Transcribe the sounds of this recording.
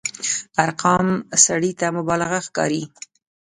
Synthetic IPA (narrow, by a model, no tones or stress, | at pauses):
aɾqʰɑmsaɽit̪amʊbɑlaɣaxkɑ̰ɾi